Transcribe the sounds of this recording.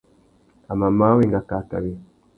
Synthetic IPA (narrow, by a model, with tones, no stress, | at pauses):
a˨ma˨ma˦we˦˨ŋɡa˨ka˨ka̰˨βi˨